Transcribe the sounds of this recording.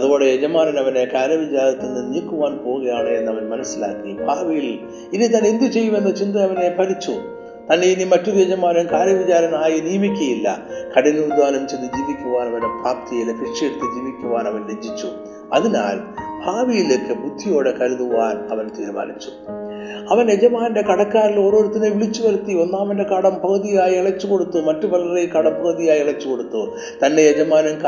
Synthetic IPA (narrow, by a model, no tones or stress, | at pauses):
ɐðuo̞ːɽejed͡ʑɐmaːnɐnɐʋɐne̞kaːɾɐʋit͡ɕaːɾɐt̪ːenːɨniːkːuʋaːnpo̞ːɣuɣɐjaːɳɨenːɐʋɐnmɐnɐsːila̰ːkːibʱaːʋijil | iðit̪ːane̞nd̪ut͡ɕe̞jːume̞nːɐt͡ɕind̪ɐɐʋɐne̞pɐɾit͡ɕːu | t̪ɐnːe̞inimɐtːuðjed͡ʑɐmaːnɐnkaːɾɐʋit͡ɕaːɾɐnaːjiniːmikʲːɐjilːɐ̰kɐɽinːɨud̪ʋaːnɐmt͡ɕind̪ɨd͡ʑiːʋikʲːuʋaːnɐʋɐnepraːpt̪ijilefɾiʂɐjeɽut̪ːɨd͡ʑiːʋikʲːuʋaːnɐʋɐnɾed͡ʑʱːit͡ɕːṵ | ɐ̰ðina̰ːlbʱaːʋijileːkːɨbʱud̪ʱːijo̞ːɽekɐɾuðuʋaːnɐʋɐnt̪iːɾuʋa̰ːlit͡ɕːu̥ | ɐʋɐnjed͡ʑɐmaːnnde̞kɐɽɐkːaːɾilo̞ːɾo̞ːɾut̪ːɐneʋiɭit͡ɕːuʋɐɾut̪ːio̞nːaːʋɐnde̞kɐɽɐmpɐɣɐðijaːjieɭɐt͡ɕːuko̞ɽut̪ːumɐtːuʋɐlɐrejkɐɽɐmpɐɣɐðijaːjieɭɐt͡ɕːuko̞ɽut̪ːu | t̪ɐnːe̞ed͡ʑɐmaːnɐmk